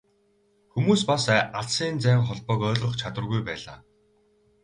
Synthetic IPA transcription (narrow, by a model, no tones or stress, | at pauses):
xumuːspasʔaɮsiːnt͡sæːŋχɔɮpɔːkœːɮʁɞ̆χt͡ɕʰat̪wə̆rɣujpæːɮa̰ː